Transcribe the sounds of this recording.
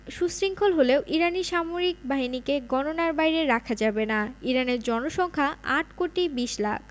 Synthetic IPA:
ʃusɾiŋkʰolɦoleoʔiɾaniʃamoɾik̚baɦinikeɡɔnonaɾbajɾeɾakʰad͡ʑabenaiɾaneɾd͡ʑɔnoʃɔŋkʰaa̰ʈkoʈibiʃla̰kʰ

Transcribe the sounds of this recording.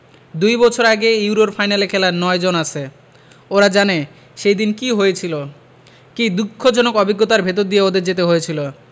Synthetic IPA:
d̪ujbɔt͡ɕʰoɾaɡejuwɾoɾfajnalekʰɛlaɾnɔed͡ʑonat͡ɕʰe | oɾad͡ʑane | ʃejd̪inkiɦojet͡ɕʰilo | kid̪ukʰːod͡ʑɔnokɔbiɡːot̪aɾbʱet̪̬oɾd̪ijeod̪eɾd͡ʑet̪eɦojet͡ɕʰilo

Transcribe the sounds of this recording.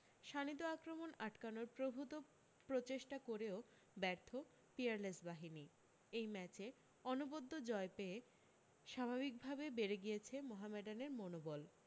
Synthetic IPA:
ʃanit̪̬oakɾomonaʈkanoɾpɾobʱut̪o | pɾot͡ɕeʃʈakoɾeo | bɛɾt̪ʰo | piaɾlesbaɦini | ejmɛt͡ɕe | ɔnubod̪ʱːod͡ʑɔepee | ʃabʱabik̚bʱabebeɾeɡijet͡ɕʰemɔɦameɖaneɾmonobol

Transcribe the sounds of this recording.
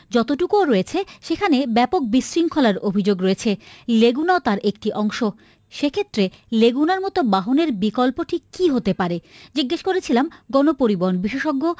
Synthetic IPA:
d͡ʑɔt̪oʈukoɾoet͡ɕʰeʃekʰanebɛpok̚biʃɾiŋkʰolaɾobʱid͡ʑoɡɾoet͡ɕʰeleɡunaot̪aɾʔek̚ʈiʔɔŋʃo | ʃekʰet̪ːɾe | leɡunaɾmɔt̪obaɦoneɾbikolpoʈʰikiɦot̪epaɾed͡ʑiɡːeʃkoɾet͡ɕʰilamɡɔnopoɾiboɦonbiʃeʃɔɡːo

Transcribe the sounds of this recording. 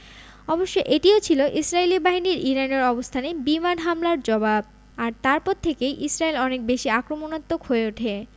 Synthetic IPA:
ɔboʃːojʔeʈiot͡ɕʰiloʔisɾaelibaɦiniɾiɾaneɾɔbost̪ʰanebimanɦamlaɾd͡ʑɔbab̚ | aɾt̪aɾpɔɾt̪ʰekejʔisɾaelɔnek̚beʃiakɾomonat̪ːokɦoeuʈʰe

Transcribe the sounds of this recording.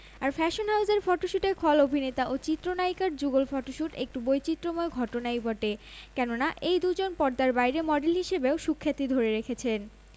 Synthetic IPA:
aɾfɛʃonɦawzeɾfɔʈoʃuʈeɾkʰɔlobʱinet̪aʔot͡ɕit̪ːɾonajkaɾ̚d͡ʑuɡolfɔʈoʃuʈek̚ʈubojt͡ɕit̪ːɾomoeɡʱɔʈonajbɔʈekɛnonaʔejd̪ud͡ʑonpɔɾd̪aɾbajɾemɔɖelɦiʃebeoʃukʰːat̪id̪ʱoɾeɾekʰet͡ɕʰen

